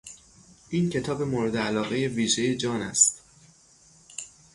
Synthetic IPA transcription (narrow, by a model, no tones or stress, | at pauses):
ʔiːncʰe̞t̪ʰɒːbe̞moɾe̞d̪eælɒːɣe̞je̞viːʒe̞jed͡ʒɒːnæ̰st̪